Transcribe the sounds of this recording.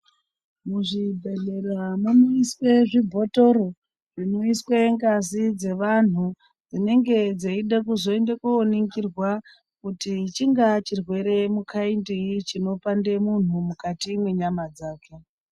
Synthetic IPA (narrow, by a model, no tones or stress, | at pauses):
muʐibʱe̞ɮeramunoiswe̞ʐibʱo̞to̞ɾo | ʐino̞iswe̞ŋɡazid͡ze̞ʋan̤u | d͡zine̞ŋɡe̞d͡zeiɗak̬uzo̞endekuːneŋɡirwa | kutit͡ʃiŋɡat͡ʃirwe̞ɾe̞mukʰaindiit͡ʃino̞pandemun̤umukatiːmwe̞ɲamad͡zaːke̞